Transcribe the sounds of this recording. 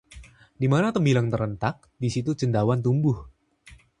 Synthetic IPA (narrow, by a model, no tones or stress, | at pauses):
dimanat̪əmbilaŋt̪əɾənt̪ak̚disit̪ut͡ʃəndawant̪̬umbʊh